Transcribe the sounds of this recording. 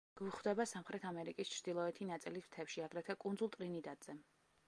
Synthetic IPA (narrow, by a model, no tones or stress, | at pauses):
ɡ̥uχwd̪ɛbasamχɾɛt̪ʰamɛɾikʼist͡ʃʰɾd̪ilˠɔɛt̪ʰinat̪sʼilist̪ʰɛpʃiaɡɾɛt̪ʰakʼund̪zulˠt̪ʼɾinid̪ʼat̪ʼz̥ɛ